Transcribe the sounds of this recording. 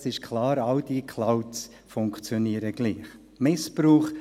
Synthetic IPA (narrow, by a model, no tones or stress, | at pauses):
sɪʃkʰlɑːɾɑld̥ikʰlaʊts | fʊŋkt͡sjɔniːɾəɡ̥liːχ | mɪspɾuːχ